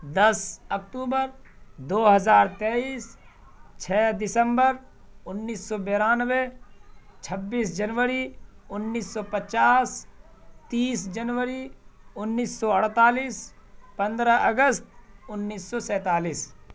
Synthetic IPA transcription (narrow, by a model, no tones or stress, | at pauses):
d̪əsək̚ʈuːbəɾ | d̪oːɦəzaːɾt̪eːiːs | t͡ʃʰɛːd̪ɪsə̃mbəɾ | ʊnːiːsːɔːbeːɾaːnəʋe | t͡ʃʰəbːiːsd͡ʒənʋəɾiʊnːiːsːɔpət͡ʃaːs | t̪iːsd͡ʒənʋəɾiʊnːiːsːɔəɽ̤t̪aːliːspə̃nd̪ɾəʔəɡəst̪̚ʊnːiːsːɔsɛːt̪aːliːs